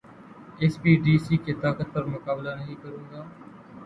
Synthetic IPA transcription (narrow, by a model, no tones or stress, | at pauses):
eːspiːɖiːsiːket̪aːkət̪̚pəɾmʊkaːblaːnəɦĩːkəɾũːɡaː